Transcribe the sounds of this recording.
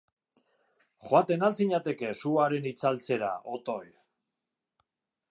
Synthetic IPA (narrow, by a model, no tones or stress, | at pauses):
xoat̪e̞nalt͡siɲat̪e̞ke̞suaɾe̞nit͡salt͡se̞ɾa̰ot̪oj